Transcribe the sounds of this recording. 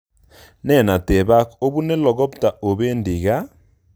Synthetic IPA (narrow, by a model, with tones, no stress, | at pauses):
nɛ˦˨na˨tɛ˨βa˦ko˦βu˦ne˦lɔ˨ɣɔ˦pta˨ʔo˨βe˦ndi˨ɣa˦